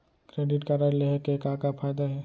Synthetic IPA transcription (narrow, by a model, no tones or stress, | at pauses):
kɾeːɖɪʈkaɾaɾleɦekekaːkapʰaːjd̪aɦɛː